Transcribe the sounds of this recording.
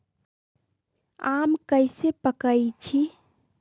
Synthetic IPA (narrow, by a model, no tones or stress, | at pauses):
amkəjsepəkəjt͡ʃʰi